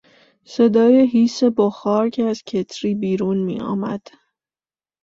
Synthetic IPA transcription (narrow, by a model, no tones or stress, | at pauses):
se̞d̪ɒːjeɦiːse̞boxɒːɾcʰeæz̥cʰe̞t̪ʰɾiːbiːɾuːnmḭːɒ̰ːmæ̰d̪̥